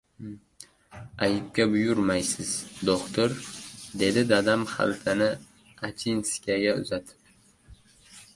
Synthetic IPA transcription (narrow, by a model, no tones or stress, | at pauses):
ajɪp̚kʲabʊjʊɾmajsɪz̥d̪okt̪ʰoɾd̪e̞d̪ɪd̪ad̪amχa̰lt̪ʰɪnɪ | at͡ʃʰinskʲaɡʲaʊ̰zat̪ʰɪ̥p̚